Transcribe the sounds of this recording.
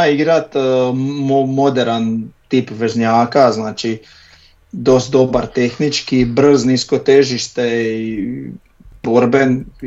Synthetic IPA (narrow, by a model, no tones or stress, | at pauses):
aiɡɾat̪momod̪eɾant̪iːpʋeʒɲaːkaznaːt͡ʃi | d̪o̞st̪̚d̪o̞baɾt̪e̞xnit͡ʃkibr̩znisko̞t̪e̞ʒiʃt̪ei | b̥oɾben